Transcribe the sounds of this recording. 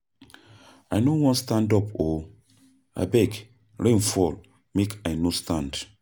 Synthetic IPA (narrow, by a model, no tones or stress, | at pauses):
anowɔ̃nstãndɔpo | a̰bɛɡ | ɹẽnfɔl | mekajnostãnd